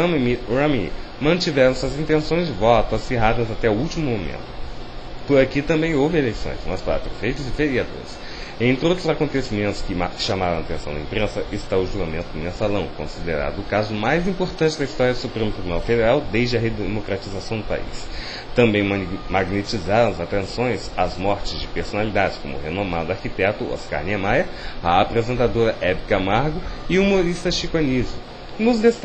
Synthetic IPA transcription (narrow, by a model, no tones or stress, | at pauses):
ɐ̃mimiɾɐ̃mimɐ̃t͡ʃivɛɾɐ̃w̃sɐzĩnt̪ẽsõj̃zd͡ʒɪvɔt̪ʊɐsfeɦad̪ɐzat̪ɛʊuwt͡ʃimʊmomḛ̃nt̪ʊ̥pʊɾakit̪ɐ̃mbẽj̃owvɪelejsõ̰j̃sṵ̃mɐspaa̰t̪ɾesfejt̪ɐzɪfeɾiad̪o̰ɾɪs | ẽt̪ɾɪot̪ɾʊzakõnt̪esimẽnt̪ʊ̥skɪmḁʃãmaɾɐ̃at̪ẽsɐ̃d̪ɐĩmpɾẽsɐʔɪst̪aʊʒuɡamẽnt̪ʊd̪ʊmẽsalɐ̃w̃kõ̰sid̪eɾa̰d̪ʊːkazʊmajzĩpoɾt̪ɐ̃nt͡ʃɪd̪ɐist̪ɔɾjɐd̪ʊsupɾẽmʊt̪ɾibunawfed̪eɾawd̪ejzd͡ʒɪɐɦed̪emokɾat͡ʃizasɐ̃w̃d̪ʊpa̰ḭs | t̪ɐ̃mbẽj̃maɡnet͡ʃizaɾɐ̃w̃ɐzat̪ẽsõj̃sazmɔɾt͡ʃɪzd͡ʒɪpeɾsonalid̪ad͡ʒɪ̥skõ̰mʊ̰henõmad̪ʊaɾkit̪ɛt̪ʊo̰ska̰ɾniamajɐaːpɾezẽnt̪ad̪oɾɐʔɛbikamaɾɡʊɪumoɾist̪ɐɪʃikonizʊ | nʊzdes